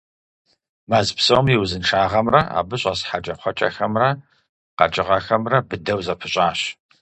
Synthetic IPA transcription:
maːzpsɐwmjɪwzɨnʈ͡ʂʰaːʁɐmrɐa̰ːbɨɕʼɐsħad͡ʒʼɐχʷɔt͡ʃʼɐ̰xɐmrɐ | qɐ̰d͡ʒʼɪʁɐxɐmrɐbɨdɐwzɐpʰɨɕʼaːɕ

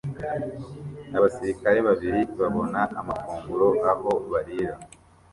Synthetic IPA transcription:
aβasiɾikaɾe̞βaβiɾiβaβo̞naamakuːŋɡulo̞ʔaho̞βaɾiɾa

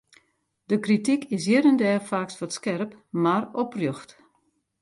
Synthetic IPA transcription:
dəkritikɪs̬jɪɾəndɛːfaksʋɔtskɛrpmarɔprjoxt

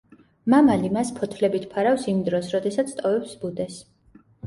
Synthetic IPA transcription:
mamalimaspʰɔt̪ʰlɛbit̪ʰpʰaɾafsimd̪ɾɔsɾɔd̪ɛsat̪sʰt̪ʼɔvɛpsbud̪ɛs

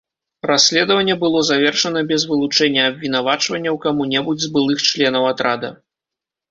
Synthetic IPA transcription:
rasʲːlʲɛd̪vɐnʲːɛbɨlˠɔzavʲɛrʂɐnɐbʲɛzvɨlˠut͡ʂɛnʲːɐːbʲvʲin̪avat͡ʂvɐnʲːɐwkamunʲɛbud͡zʲzbɨlˠɨxt͡ʂlʲɛnɐwat̪ɾad̪ɐ̰

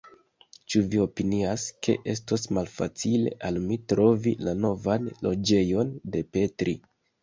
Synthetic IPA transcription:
t͡ʃuvio̞piniaskʰe̞̰ʔe̞s̬tosmalfa̰t͡sile̞ʔalmitɾo̞vilano̞vanlo̞d͡ʒe̞jo̞nde̞pe̞tɾʔḭ

